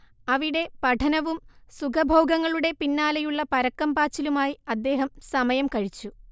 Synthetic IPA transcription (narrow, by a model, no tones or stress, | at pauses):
ɐʋiɽe̞pɐʈʰɐnɐʋumsuɡɐbʱo̞ːɡɐŋːɐɭuɽe̞pinːaːlɐjuɭːɐpɐɾɐkːɐmbaːt͡ɕːilumaːjiɐd̪ːe̞ːɦɐmsɐmɐjɐmkɐɻit͡ɕːu